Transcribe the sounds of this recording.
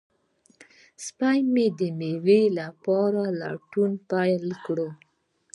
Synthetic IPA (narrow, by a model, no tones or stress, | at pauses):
spajmed̪əmewelapɑɾala̰ʈunpajlkɽo